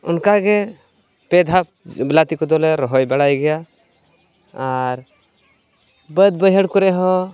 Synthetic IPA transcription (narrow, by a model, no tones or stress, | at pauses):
ʊ̰nkaɡɛ | pɛd̪ʱa | blat̪ikɔd̪ɔlɛɾɔɦɔjbɛɽajɡɛja | aɾ | bəd̪̚bəjɦəɽkɔɾɛɦɔ̃